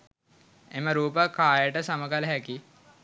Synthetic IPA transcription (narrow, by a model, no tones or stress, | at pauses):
eməɾuːp̬əkaːjəʈəsaməkaləɦæki